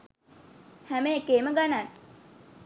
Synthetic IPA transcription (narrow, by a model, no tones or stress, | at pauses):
hæmeekeːməɡanan